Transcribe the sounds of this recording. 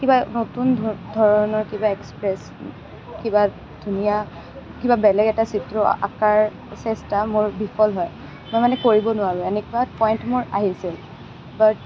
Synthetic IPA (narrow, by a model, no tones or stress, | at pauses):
kibanotundʱɔɹɔnɔɹkibaɛkspɹɛs | kiba | dʱunija | kibabɛlɛɡɛtasitɹɔ̰a̰kaɹ | sɛstamʊɹbipʰɔlɦɔj | mojmanɛkoɹibɔnʊwaɹɔɛnɛkuatpɔjntmʊɹa̰ɦisil | bat